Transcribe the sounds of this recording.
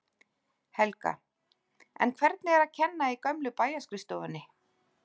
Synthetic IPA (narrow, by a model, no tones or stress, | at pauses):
hɛlka̰ | ɛ̰nkʰvɛɾt̪̚nɪɛɾaðcʰɛnːaikœmlʏpaːjaskɾɪst̪owvʏnːɪ